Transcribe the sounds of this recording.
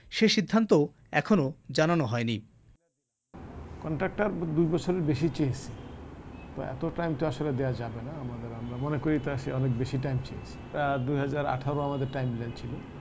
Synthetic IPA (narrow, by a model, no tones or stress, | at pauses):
ʃeʃid̪ʱːant̪o | ɛkʰonod͡ʑananoɦɔeni | kɔɳʈɾak̚ʈaɾd̪ujbɔt͡ɕʰoɾeɾbeʃit͡ɕeesʰi | t̪oɛ̰t̪oʈajmt̪oaʃoled̪eoad͡ʑabenaamad̪eɾamɾamonekoɾit̪aʃeɔnek̚beʃiʈajmt͡ɕeet͡ɕʰi̥ad̪ujɦad͡ʑaɾa̰ʈʰaɾoamad̪eɾʈajmlajnt͡ɕʰilo